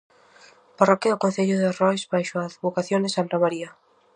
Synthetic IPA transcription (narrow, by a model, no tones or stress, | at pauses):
parɔkeðʊkõn̟θeʎʊðerɔjzβajʃʊaðβokaθjond̪esant̪amaɾiɐ